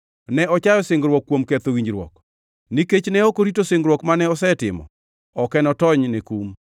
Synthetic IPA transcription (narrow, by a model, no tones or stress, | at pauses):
nɛɔt͡ʃajɔsɪŋɡɾwɔkːwomkɛt̪owiɲd͡ʒɾwɔ̰k | niket͡ʃnɛokoɾitosɪŋɡɾwɔkmanɛɔsɛtɪ̰mɔ̰ | ɔkɛnɔtɔɲnekum